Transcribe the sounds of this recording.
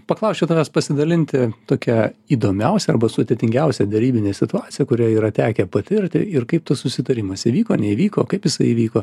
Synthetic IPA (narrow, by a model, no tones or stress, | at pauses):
pɐklˠɐʊsʲt͡ʃʲɛt̪ɐʋʲɛspɐsʲɪd̪ɐlʲɪnʲt̪ʲɪt̪oːkʲɛiːd̪oːmʲɛʊsʲɛɐrbɐsʊd̪ʲet̪ʲɪŋʲɡʲɛʊsʲɛd̪ʲɛɾʲiːbʲɪnʲeːsʲɪt̪ʊɑːt͡s̪ʲɪjɛkʊɾʲæːiːɾɐt̪ʲæːkʲɛpɐt̪ʲʋʲɪɾʲt̪ʲɪ̰ɪrkɐɪp̚t̪ɐssʊsʲɪt̪ɐɾʲɪmɐsiʋʲiːkoːnʲɛiʋʲiːkoːkɐɪpjɪsɐɪiːʋʲiːkoː